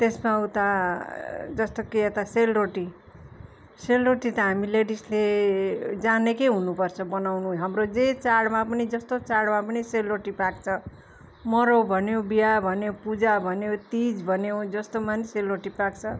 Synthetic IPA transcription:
t̪esmaut̪a | d͡zʌst̪okeet̪aselroʈi | selroʈit̪ʌɦamileɽisle | d͡zanekeɦunupʌrt͡sʰʌbʌnawnuɦamrod͡zet͡saɽmapʌnid͡zʌst̪ot͡saɽmapʌniselroʈipak̚t͡sʰʌ | mʌɾowbʱʌnjobijabʱʌnjopud͡zabʱʌnjot̪id͡zbʱʌnjod͡zʌst̪omaniselroʈipak̚t͡sʰʌ

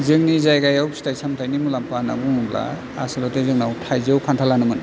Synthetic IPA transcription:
zɯŋnizajɡajawsi̥tajsamtʰajnimulampana̰buŋumla̰ | asilɔtezɯŋnawtʰajzɯwkʰantʰalanɯmɯn

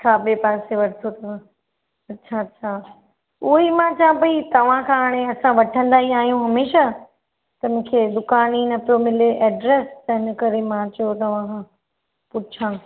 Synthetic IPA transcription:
kʰaːɓeːpaːseʋɐɽɪt̪ʰot̪ʰɐã | ɐtːʃʰaɐtːɕʰaː | ʊɦimãt͡ɕãːpɐit̪ɐʋ̤ãkʰãːɽ̃eɐsãʋɐʈʰə̃nd̪aːiaːɦijũɦɐmeːʃa | t̪ɐmʊ̃ːkʰeːd̪ʊkaːninɐpɪɾomɪleʔɛːɖɾeːst̪ɐɦɪnkɐɾemãt͡ɕɐjot̪ɐʋ̤ãkʰã | pʊt͡ɕʰãː

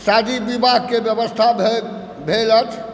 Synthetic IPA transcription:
sad̪ibibaɡ̚kebjəbəst̪ʰabe | bʱelət͡ʃʰ

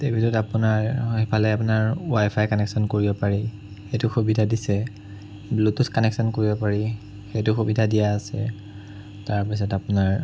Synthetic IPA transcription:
tebʱitɔtapʊnaɹhipʰalɛapʊnaɹwajpʰajkɔnɛksɔnkoɹibɔpaɹi | xetʊxubidʱadisɛ | blutuskɔnɛksɔnkoɹibɔpaɹi | xetʊxubidʱadijaːsɛ̰ | taɹpis̬ɔtapʊnaɹ

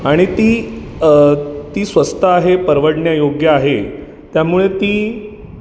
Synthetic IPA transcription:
aɽ̃it̪iː | t̪iːsʋəst̪aːɦepəɾʋəɽɳjajoɡjaːɦe | t̪jamuɭet̪iː

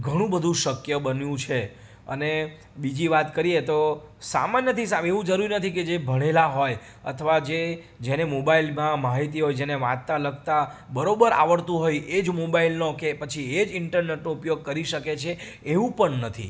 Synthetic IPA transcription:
ɡʱəɽ̃ũbəd̪ʱũʃəkjəbənjũt͡ʃʰe | ə̰ne | bid͡ʒiʋat̪kəɾiet̪o | sa̰manjət̪ʰisaeʋũd͡ʒəɾuɾinət̪ʰiked͡ʒebʱəɽ̃elaɦoj | ə̰t̪ʰəʋad͡ʒe | d͡ʒenemobailmãmaɦit̪iɦojd͡ʒeneʋãt̪t̪aləɡt̪abəɾobəɾa̰ʋəɽt̪ũɦojed͡ʒmobailnokepət͡ʃʰied͡ʒɪɳʈəɾneʈnoupjoɡ̚kəɾiʃəket͡ʃʰeː | ʋũpəɳnət̪ʰḭ

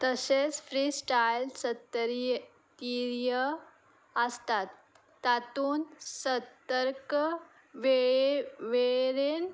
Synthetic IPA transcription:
t̪əset͡sfɾiːsʈajlsət̪ːəɾj | t̪iɾjə | əst̪at̪ː | at̪uːnsət̪əɾk | ʋe | ʋeɾen

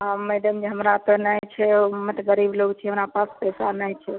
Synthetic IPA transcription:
ameɖəmd͡ʒeɦəmɾat̪ɔnəjt͡ʃʰɛmət̪ɡəɾibloɡt͡ʃʰiəmɾapaspɛsanəjt͡ʃʰɛ

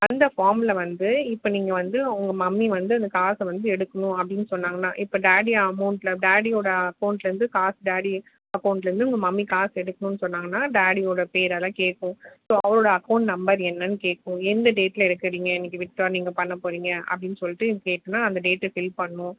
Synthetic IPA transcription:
ɐnd̪ɐfaːɾmlɐʋɐnd̪ɯɪpːoniːŋɡɐʋɐnd̪ɯʊŋɡɐmɐmːiʋɐnd̪ɯɐnd̪ɐkaːsʋɐnd̪ɯɛɽɯkːɐnʊ̃ɐpːɐɽɪnːɯsɔnːaːŋɡɐnːa̰ːʔɪpːoːɖaːɽiɐmɐʊɳʈlɐɖaːɽioːɽɐɐkɐʊɳʈlɐɾɯnd̪ɯkaːsɖaːɽi | ɐkɐʊɳʈlɐɾɯnd̪ɯʊŋɡɐmɐmːikaːsɛɽɯkːɐɳʊ̃nːɯsɔnːaːŋɡɐnːaːɖaːɽioːɽɐpeːɾɐlãːkeːʈkːʊ̃soːɐʋɐɾoːɽɐɐkːɐʊɳʈnɐmbɐɾɛnːɐnːɯkeːʈkːʊ̃ɛnd̪ɐɖeːʈːɪlɛɽɯkːɐɾiːŋɡɐɪnːɪkːɯʋɪʈ̚ʈaːɾniːŋɡɐpɐɳːɐpoːɾiːŋɡɐʔɐ̰pɐɽɪnːɯsɔlːɪʈːɯkeːʈːɐnːaːɐnd̪ɐɖeːʈːfɪlpɐɳːʊ̃

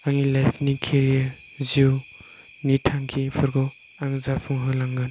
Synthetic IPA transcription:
aŋilajpʰnikʰeɾija | ziw | nitʰaŋkʰipʰɯɾɡɔ | aŋzapʰuŋɦɯlaŋɡɯn

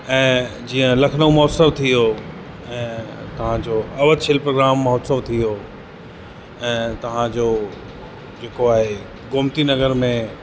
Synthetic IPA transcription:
ɛ̃ːd͡ʑiːə̃lɐkʰnomɔːsəʋt̪ʰijo | ɛ̃ːt̪ɐʋ̤ãd͡ʑoːɐʋəd̪ʃɪlpɾoːɡɾaːmːɐɦːt̪səʋt̪ʰijo | ɛ̃ːt̪ɐʋ̤ãd͡ʑoː | d͡ʑeːkoaːɦe | ɡʊːmt̪inɐɡəɾmẽ

